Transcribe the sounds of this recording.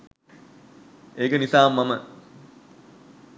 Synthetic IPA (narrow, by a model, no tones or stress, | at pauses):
eːkənisaːmːamə